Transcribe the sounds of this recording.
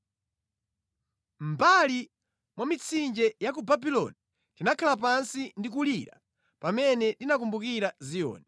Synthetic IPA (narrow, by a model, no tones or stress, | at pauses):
m̩bali | mwamit͡sʰind͡ʒɛjakubabilɔ̰ni | kinakʰalap̬ansindikuliɾa̰ | pamɛnɛɗinak̬umbukiɾazijɔ̰ːnɛ